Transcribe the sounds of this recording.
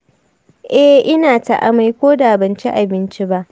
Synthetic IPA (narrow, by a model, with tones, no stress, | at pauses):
ʔɛ˦ʔɪ˦naː˨ta˨ʔa̰˨ma˨jkʷoː˦da˨bɐ˨nt͡ʃi˦ʔa˨bɪ˦nt͡ʃi˦ba˦ʔ